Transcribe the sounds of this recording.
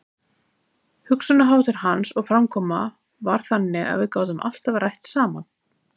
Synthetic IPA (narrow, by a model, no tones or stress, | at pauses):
hʏksʏnaɦaːwt̪ɪɾ̥hansɔɣfɾamkʰɔːma | vaɾ̥θanːɪa̰ðvɪðkaːwt̪ʏma̰l̥t̪avɾajht̪saːman